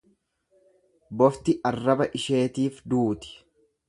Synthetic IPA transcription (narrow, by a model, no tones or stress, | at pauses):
bɔft̪ɪʔɐrːɐbɐʔɪʃe̞ːt̪iːfd̪uːt̪ɪ̥